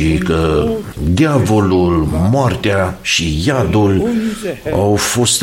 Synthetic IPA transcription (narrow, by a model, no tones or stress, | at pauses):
ikəd̪eavo̞lulmoart̪eaʃijad̪ul | a̰wfost̪